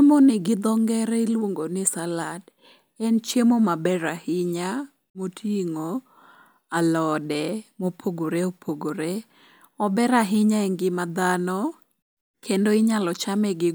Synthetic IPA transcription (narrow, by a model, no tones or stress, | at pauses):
emonɪɡɪd̪ɔŋɡɛɾɛilwoŋɡonɪsalad | ɛnt͡ʃemomabɛɾahɪɲa | motʰiŋo | alɔdɛmopʰoɡoɾeopʰoɡoɾe | ɔbɛɾaɦɪɲaɛŋɡɪmad̪anɔ | kʰendoɪɲalɔt͡ʃamɛɡɪ